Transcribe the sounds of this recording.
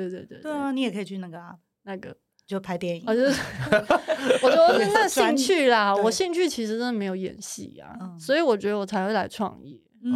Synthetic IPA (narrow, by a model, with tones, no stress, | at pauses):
t̪we˥˩ɪt̪we˥˧ɪt̪wḛ˥˩t̪we˥˧ɪ˧ni˥jkʰə˧˥i˨˩t͡ɕʰy˥˧na˥˩ɡə˩˧˩ | na˥˩ɡə̰˩ | t͡ɕjo˥˩pʰa˧˥ɪt̪jɛ˥˩ni˨˩˧t͡ɕo˥˧˥ | wɔ˨˩t͡ɕɥɛ˧˥d̪ə˧˥n˥˩na˥˩ɕi˥˧ŋt͡ɕʰy˥˩lɐ˩wɔ˨˩ɕi˥˧ŋt͡ɕʰy˥˩t͡ɕʰi˧˥ʂɻ̩˧˥ʈ͡ʂə˥nə˩me˧˥ɪjo˧˩ʊjɛ̰˨˩nɕḭ˥˩ɐ̰˨˩swɔ˧˥i˧˥wɔ˨˩t͡ɕɥɛ˧˥d̪ə˧wɔ˨˩t͡sʰa˧˥ɪxwe˥˩la˧˥ɪʈ͡ʂʰwɑ̰˥˧ŋɛ̰˥˩˥